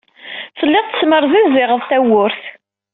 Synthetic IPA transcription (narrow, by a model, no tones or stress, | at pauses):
fəlːɪʁt̪ə̥sməɾˤðæzːɪʁəðˤt̪æwʊɾθ